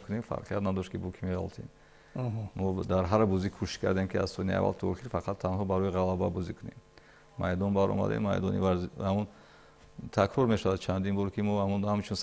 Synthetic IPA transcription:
kʰunefa̰ɾqʰijat̪nad̪ɔʃt̪kibukʰimeʁa̰lt̪ʰen | mɔd̪aɾɦaɾbɔzikʰuʃi̥ʃkʰa̰ɾd̪emkʰiazsɔnia̰va̰lt̪ʰɔχiɾfaqʰat̪ʰːanɦɔbaɾɔjiʁalababɔzikʰunḛm | ma̰jd̪ɔnbaɾɔ̰ma̰d̪ḛnma̰jd̪ɔnḭvaɾzamun | t̪ʰakʰɾɔɾmeʃavad̪̚t͡ʃʰand̪inbɔɾkʰimɔhamunhamt͡ʃʰuns

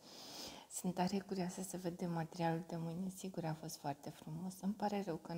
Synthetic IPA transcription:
sɨnt̪aɾekuɾiasəsəve̞d̪e̞mːat̪e̞ɾialuld̪e̞mɨjne̞siɡuɾafo̞st̪foart̪e̞fɾumo̞sɨmpaɾe̞rəwkə

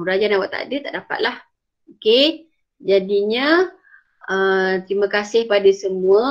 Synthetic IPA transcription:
uɾad͡ʒanawaʔt̪a̰dət̪aʔdapa̰t̪̚lah | oke | d͡ʒadiɲə̃ | ət̪ɾimə̃kasɪhpadasəmũə

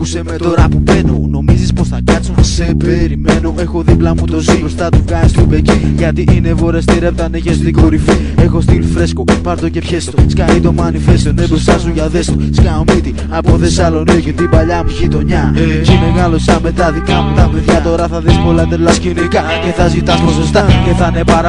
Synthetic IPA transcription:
usemet̪oɾɐpubenono̞mizisposθɐkɐt͡sunsepeɾimeno̞ʔe̞xo̞ðiplɐmut̪oziɾost̪ɐt̪uvɣɐzist̪upeciʝɐt̪iʔinevo̞ɾest̪iɾe̞p̚t̪ɐneçesikoɾifie̞xo̞st̪ilfɾe̞skopɐɾt̪oce̞pçestoskɐɾit̪o̞mɐnifest̪onebɾost̪ɐsuʝɐðe̞st̪oskɐmit̪i | ɐpoθesɐlo̞nioceðibɐʎɐmuʝit̪o̞ɲɐcemeɣɐlosɐmet̪ɐðikɐmut̪ɐpeðʝɐt̪o̞ɾɐθɐðisko̞lɐðelɐscinikɐceθɐzit̪ɐsmosost̪ɐceθɐnepɐɾɐ

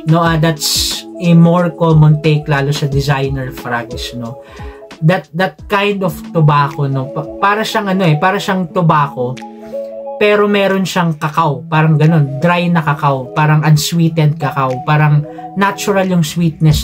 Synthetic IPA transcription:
no̞ɐd̪at̪sɪmoɹkoːmɐnt̪ejklaːlo̞sɐd̪ɪzajnɛɹfɾaɡsno̞ | d̪ɐt̪̚d̪ɐt̪̚kajnd̪oft̪ʊbaːkono̞ppaːɾɐʃaŋʔɐno̞ʔɛpaːɾɐʃɐŋt̪ʊbaːko̞ | pɛːɾo̞mɛːɾo̞nʃɐŋkɐkawpaːɾɐŋɡɐno̞nd̪ɾajnɐkɐkawpaːɾɐŋʔɐnswiːt̪ɛnd̪̚kɐkawpaːɾɐŋ | nat͡ʃʊɾɐljʊŋswit̪̚nɛs

